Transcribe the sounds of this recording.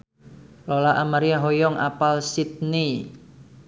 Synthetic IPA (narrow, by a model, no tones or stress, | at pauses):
lɔlaʔamaɾiaɦɔjɔŋa̰palsit̪̚ni